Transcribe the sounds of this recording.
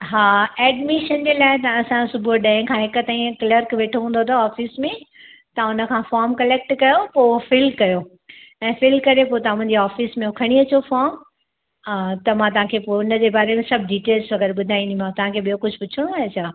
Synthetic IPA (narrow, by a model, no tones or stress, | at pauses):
ɦaːɛːɖmɪʃənd͡ʑeːlaːɪt̪ɐɐsãsʊbʱoɗɛ̃ːɦɪ̃kʰãːɦɪkʊt̪ɐ̃ːɦĩkləɾkʋeːʈʰoɦũːn̆d̪ot̪ʰoaːfismẽ | t̪ɐʊnə̆kʰãːfɔːɾmkɐleːk̚ʈkɐjopoːfɪlkɐjo | ɛ̃ːfɪlkɐɾepoːt̪ɐʊ̃ɪ̃ɲd͡ʑeaːfismẽʊkʰɐɽ̃iɐt͡ɕofɔːɾm | t̪ɐmãt̪ɐɦãkʰeːpoːʊnəd͡ʑebaːɾemẽsɐbʱɖiːʈeːlzʋɐɡɛɾɓʊd̪ʱaːĩnd̪ĩãt̪ɐʋ̤ɦãkʰeːɓijokʊd͡ʑʱʊpʊt͡ɕʰɪɽ̃õaːɦet͡ɕʰaː